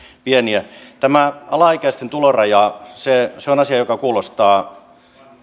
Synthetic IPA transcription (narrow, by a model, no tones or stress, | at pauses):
pieniæt̪æmæɑlɑikæist̪ent̪ulorɑjɑseseonɑsiɑjokɑkuːlost̪ɑː